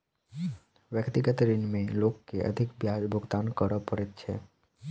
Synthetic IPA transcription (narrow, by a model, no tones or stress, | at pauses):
ʋjəkt̪ɪɡət̪ɾinmẽloːkːeʔə̰d̪ʱɪkbjad͡ʒbʱʊɡt̪ankəɾəpəɾet̪t͡ʃʰḛ